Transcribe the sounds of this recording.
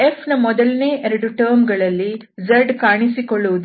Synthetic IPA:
epʰnɐmɔd̪ɐlɐneːʔeɾɐɽuʈɐːɾmɡɐɭɐlːi | d͡ʒɐɾɖkaːɳisikoɭːuʋud̪

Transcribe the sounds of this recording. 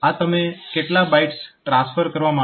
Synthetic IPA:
at̪əmekeʈlabaiʈsʈɾãsfʰəɾkəɾʋamã

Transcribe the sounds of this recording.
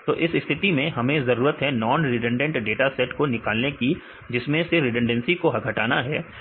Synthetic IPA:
t̪o̰ːʔɪsɪst̪ʰɪt̪imẽɦɐmẽzɐɾuːɾət̪ɦɛnɔːnɾɪɖə̃ɳɖə̃ɳʈɖeːʈasɛʈkonɪkaːlneki | d͡ʒɪsmẽseɾɪɖə̃ɳɖə̃nsikoɦɐɡʱɐʈaːnaɦɛː

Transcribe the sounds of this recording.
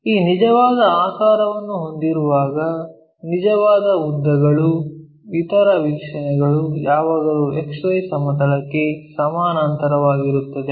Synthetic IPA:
iːnid͡ʒɐʋaːd̪ɐaːkaːɾɐʋɐnːuɦo̞nd̪iɾuʋaːɡɐ | nid͡ʒɐʋaːd̪ɐud̪ːɐɡɐɭu | ʋit̪ɐɾɐʋikʂɐnɛɡɐɭujaːʋaːɡɐɾuekʂɐjsɐmɐd̪ɐlɐkːe̞sɐmaːnɐnt̪ɐɾɐʋaːɡiɾut̪ːɐd̪e̞

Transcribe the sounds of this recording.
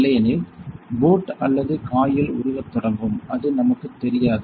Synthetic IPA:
lɐjɐnɪlboːʈɐlːɐðɯkaːjɪlʊ̰ɾʊɣɐt̪ːɔɽɐmbɯmɐðɯnɐmɐkːɯt̪ːɛɾɪjaːðɯ

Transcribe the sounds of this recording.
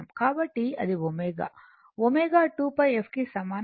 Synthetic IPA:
ɐmkaːbɐʈːiɐ̰d̪iʋomeːɡa̰ː | ʋomeːɡaːʈuːpɐjepʰkisɐmaːn

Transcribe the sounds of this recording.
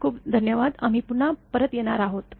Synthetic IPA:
kʰuːpd̪ʱənjəʋad̪am̤ipuɳapəɾət̪jeɽ̃aɾaɦot̪

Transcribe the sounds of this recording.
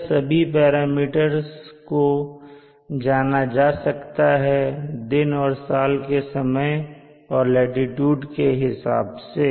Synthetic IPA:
sɐbʱip̬ɛːɾaːmiːʈəɾzko | d͡ʒaːnad͡ʒaːsɐkt̪aɦɛd̪ɪnɔːɾsaːlkesɐməj | ɔːɾlɛːɖɪʈjuːɖkeɦɪsa̰ːbse

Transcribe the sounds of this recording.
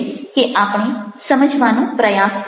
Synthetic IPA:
keʔaːpɳ̃esəməd͡ʒʱʋanõpɾəjaːs

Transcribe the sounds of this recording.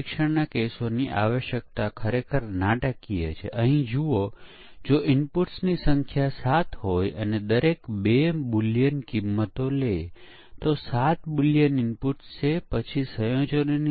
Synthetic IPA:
ikʃəɽnakesoniʔa̰ʋəʃjək̚t̪akʰəɾekʰəɾnaʈəkijḛt͡ʃʰḛʔəɦĩd͡ʒuo | d͡ʒoʔɪmpuʈsnisəŋkʰjasat̪ʰɦojəned̪əɾekbebuljənkimːət̪ole | t̪osat̪bulijənɪmpuʈst͡ʃʰepət͡ʃʰisəjõt͡ʃənini

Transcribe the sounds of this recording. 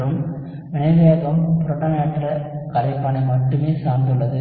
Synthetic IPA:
ɾɯm | ʋɪɳɐɪʋeːɣɐmpʊɾɔʈːɐneːʈːɪlɐkɐɾɐɪpːɐɳɐɪmɐʈːɯmeːsaːɾnd̪ɯɭːɐðɯ

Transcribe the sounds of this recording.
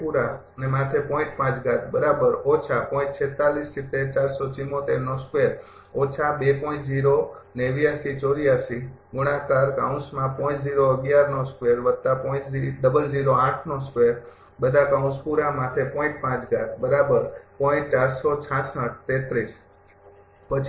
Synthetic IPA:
puɾaənemãt̪ʰepɔĩʈ̚pãt͡ʃɡat̪̚ʰbəɾabəɾɔt͡ʃʰapɔĩtt͡ʃʰet̪alist͡ʃʰit̪eɾt͡ʃaɾsɔt͡ʃimːot̪eɾnoskʋeɾ | ɔt͡ʃʰabepɔĩt͡ʃd͡ʒiɾoneʋijasit͡ʃoɾijasi | ɡʊɽãkaɾka̰ũsmãpɔ̃ĩt͡ʃd͡ʒiɾoəɡjaɾnoskʋeɾʋəd̪t̪apɔĩt͡ʃiɖəbəld͡ʒiɾoãʈʰnoskʋeɾ | bəd̪ʱakaũspuɾãmãt̪ʰepɔ̃ĩʈ̚pãt͡ʃɡat̪̚ʰbəɾabəɾpɔɪ̃t͡ʃaɾsot͡ʃʰãsãʈ̚ʰt̪et̪ɾis | pət͡ʃʰ

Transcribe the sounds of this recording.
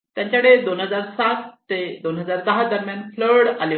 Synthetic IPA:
t̪jãɲt͡ɕaɽed̪onɦəd͡zaɾsat̪ːed̪onɦəd͡zaɾd̪əɦad̪əɾmjanfləɽale

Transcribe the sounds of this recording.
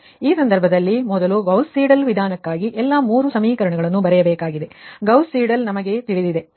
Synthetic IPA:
iːsɐnd̪ɐɾbʱɐd̪ɐlːimɔd̪ɐluɡɐwsiːɖɐlʋid̪ʱaːnɐkːaːɡiʔɛlːɐmuːɾusɐmiːkɐɾɐɳɐɡɐɭɐnːubɐɾɛjɐbɛːkaːɡid̪e̞ɡɐwsiːɖɐlnɐmɐɡe̞t̪iɭid̪id̪e̞

